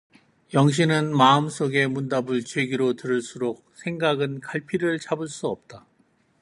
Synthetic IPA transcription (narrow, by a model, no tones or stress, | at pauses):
jʌŋɕ̬ʰinɯnmaɯms͈oɡe̞mundabɯɭt͡ɕweɡiɾotɯɾɯɭs͈uɾok̚sʰe̞ŋɡaɡɯnkaɭpʰiɾɯɭt͡ɕabɯɭs͈uʌp̚t͈a